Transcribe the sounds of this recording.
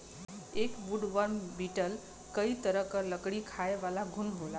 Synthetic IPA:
ekbuɖʋəɾmbiʈəl | kəit̪əɾəkələkɽikʰaeʋalaɡʱunɦola

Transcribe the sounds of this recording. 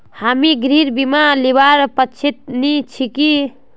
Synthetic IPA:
hamiɡɾiɾbimalibaɾpət͡ʃʰit̪̚nit͡ʃʰiki

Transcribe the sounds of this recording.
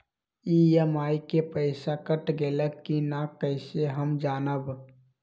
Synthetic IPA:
iemaːikepəɪsakəʈɡeːləkkːinakəɪseɦəmd͡ʒaːnəb

